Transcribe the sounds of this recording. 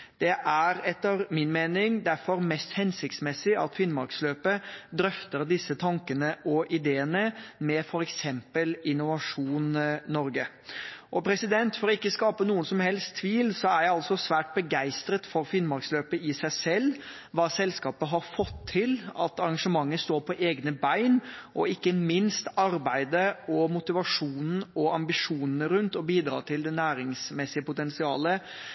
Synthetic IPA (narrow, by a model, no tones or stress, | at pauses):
d̪̥ɛʔæɾɛt̪ːɑɾmɪnmeːnɪŋd̪æɾfɔɾmɛst̪hɛnsɪk̚t̪smɛsːɪɑ̰t̪fɪnmɑɾksløːpəd̪ɾœft̪əɾd̪ɪsːət̪ʰɑŋkənəʔɔʔɪd̪eːənəmɛfɔɾɛksɛmpəlɪnʊʋɑʂuːnːɔɾɡə | ʔɔpʰɾɛsɪd̪ɛnt̪fɔɾɔɪkːəskɑːpənuːənsɔmhɛlst̪ʰːʋiːlsɔæɾjæɪɑlsɔsʋæːʈ̚bəɡæɪst̪ɾət̪fɔɾfɪnmɑɾksløːpəɪsæɪsɛlː | ʋɑːsɛlskɑːpəɦɑɾfɔt̪ʰːɪlɑ̰t̪ɑɾɑŋʂəmɑŋːəst̪oːɾpʰɔʔeːɡnəbæɪnʔɔɪkːəmɪnst̪ɑɾbæɪd̪əɔmʊt̪ɪʋɑʂuːnn̩ɔɑmbɪʂuːnənəɾʉnt̪ɔbiːd̪ɾɑ̰ːt̪ʰɪld̪ɛnæːɾɪŋsmɛsːɪəpʊt̪ɛnsɪɑːlə